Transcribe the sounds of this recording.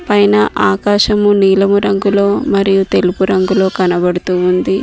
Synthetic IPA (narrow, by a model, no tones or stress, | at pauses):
pɐjnɐʔaːkaːʃɐmuniːlɐmuɾɐŋɡulo̞ːmɐɾijut̪e̞lupuɾɐŋɡulo̞ːkɐnɐbɐɽut̪uːund̪i